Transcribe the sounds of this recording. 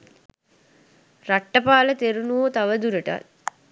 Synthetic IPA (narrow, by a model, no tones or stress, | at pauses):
raʈːəpaːlət̪eɾunuoːt̪aʋəd̪uɾəʈa̰t̪